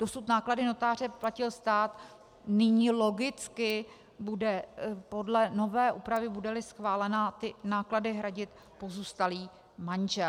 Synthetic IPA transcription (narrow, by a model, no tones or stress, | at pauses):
d̥o̞sut̪naːkladɪno̞t̪aːr̝ɛplacɪlst̪aːt̪ | nɪɲiːlo̞ɡɪt͡skɪ | budɛpo̞dlɛno̞vɛːʔuːpɾavɪbudɛlɪsxvaːlɛnat̪ɪnaːkladɪɦɾaɟɪt̪ | po̞zuːst̪aliː | manʒɛ